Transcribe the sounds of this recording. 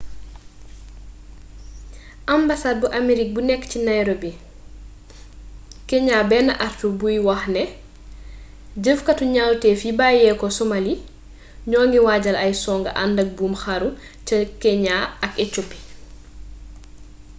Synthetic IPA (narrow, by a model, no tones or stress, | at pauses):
ʔambasaːd̚buʔameɾik̚bunɛkːcinajɾobi | kɛɲaːbɛːnɐʔartubujwɐxnɛ | ɟəfkɐtuɲawtɛːfibajɛkɔsomali | ɲɔːŋɡiwaːɟɐlɐjsɔːŋɡɐ̰ʔandɐk̚buːmxaɾu | cɐkɛɲaɐkɛt͡ʃopːi̥